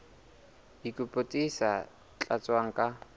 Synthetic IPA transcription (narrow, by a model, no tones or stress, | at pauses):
ikʼʊpʼʊtʼisa | t͡ɬʼat͡sʼwaŋ̩kʼa